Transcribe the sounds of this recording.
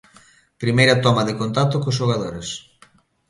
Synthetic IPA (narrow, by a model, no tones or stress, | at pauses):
pɾimejɾɐt̪ɔmaðɪkont̪at̪ʊkʊsʃoɣ̞aðoɾes